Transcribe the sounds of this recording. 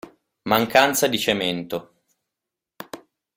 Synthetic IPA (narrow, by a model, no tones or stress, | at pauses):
maŋkant̪sad̪it͡ʃement̪o